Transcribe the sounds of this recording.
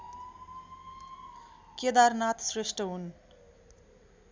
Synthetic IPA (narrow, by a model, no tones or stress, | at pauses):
ked̪arnat̪ʰsresʈʌɦun